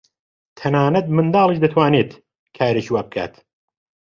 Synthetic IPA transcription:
t̪ʰɐnaːnɐt̪̚mɨnd̪ɑːlˠiʃd̪ɐt̪ʰwaːneːt̪ | kʰaːɾeʃiwaːbɨkʰa̰ːt̪

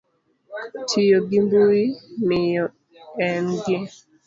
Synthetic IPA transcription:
tʰɪjoɡɪmbuimɪjɔ | ɛnɡɪ

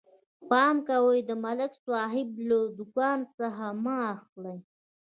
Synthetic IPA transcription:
pɑmkawəjd̪əmalɪkswɑɦɪbləd̪ʊkɑnsəxamɑxləj

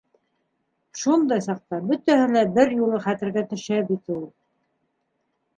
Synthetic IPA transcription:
ʃund̪ɑjsɑq̚t̪ɑbɵ̆t̪æhɘlæbɘɾjulˠɤχæt̪ɘ̆ɾɡæt̪ɵ̆ʃæbit̪ɘ̆ulˠ

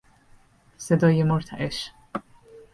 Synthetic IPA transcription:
sɛd̪ɔjːɪmɔɾt̪ʰɐʔɛʃ

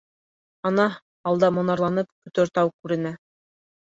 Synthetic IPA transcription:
ɒnɑ | ɑlˠd̪ɑmŏnɑɾlˠɑnɤpkɵ̆t̪ɵ̆ɾt̪ɑwkʉɾɘ̆næ

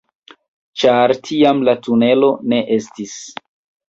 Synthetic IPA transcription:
t͡ʃaɾtʰiamlatune̞lo̞ne̞ʔe̞stis

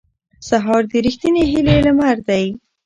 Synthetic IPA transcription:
saɦɑɾd̪əɾixt̪ineɦilelamaɾd̪aj

